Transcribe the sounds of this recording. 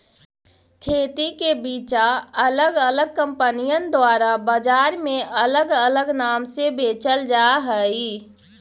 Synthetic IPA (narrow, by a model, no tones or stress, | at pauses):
kʰeːt̪ikebiːt͡ʃaələɡələɡ̚kəmpənijənd̪waɾabəd͡ʒaːɾmeʔələɡələɡnaːmsebeːt͡ʃəld͡ʒaɦəi